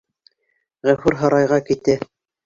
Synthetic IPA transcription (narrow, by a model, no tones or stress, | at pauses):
ʁæfʉɾɦɤ̆ɾɑjʁɑkit̪ɘ